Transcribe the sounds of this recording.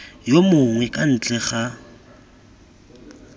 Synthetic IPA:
jomʊŋwɛkʼan̩t͡ɬʼɛχa

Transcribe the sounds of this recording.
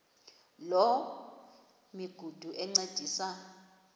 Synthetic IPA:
lɔ | miɡ̥ʱud̥ʱuʔɛŋ͡ǀad̥ʱiːsa

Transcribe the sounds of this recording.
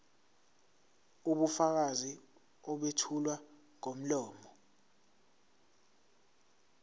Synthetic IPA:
uɓufak̬azi | ɔɓetʰulwa | ŋom̩lɔːmɔ

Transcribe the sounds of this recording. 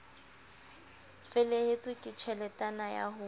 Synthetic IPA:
fɪlehet͡sʼwɪkʼɪt͡ʃʰɛlɛtʼanaja̰ɦʊ

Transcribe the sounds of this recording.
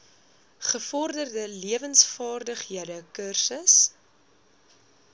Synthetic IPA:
χəfɔrdərdəliəvənsfɑːrdəχiədəkərsəs

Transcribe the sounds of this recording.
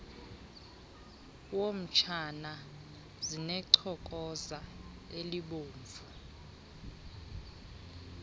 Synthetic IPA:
wom̩t͡ʃʰana | zinɛǀʰɔk̬ʼɔza | eliɓoːɱvʱu

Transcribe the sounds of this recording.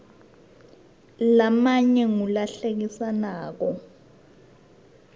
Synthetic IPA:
lamaɲɛŋulaɬek̬isanaːk̬ɔ

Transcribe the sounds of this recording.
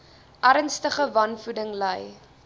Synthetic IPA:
ʔɐɾənstəχəvɐnfudəŋləj

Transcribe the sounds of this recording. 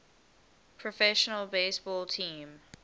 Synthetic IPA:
pʰɹɔfɛʃənəlˠbesbɔːltʰĩːm

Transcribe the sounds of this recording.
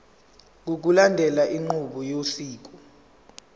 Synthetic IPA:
k̬uk̬ulandʱɛlaʔiŋ͡ǃuɓɔjosiːk̬ɔ

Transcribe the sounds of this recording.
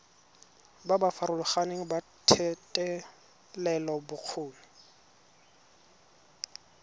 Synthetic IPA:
babafaɾʊlʊχaneŋ̩ba | tʰɛtʼɛ | lɛlɔbʊq͡χʰoːnɪ

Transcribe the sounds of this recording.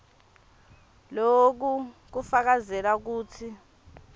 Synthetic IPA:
lok̬uk̬ufak̬azɛlak̬uːtʰi

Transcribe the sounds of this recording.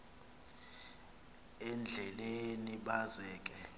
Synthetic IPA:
ɛnd͡ɮʱɛleniɓazɛːk̬ʼɛ

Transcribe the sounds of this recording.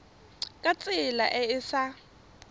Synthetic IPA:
kʼat͡sʼɪlaʔɛɪsa

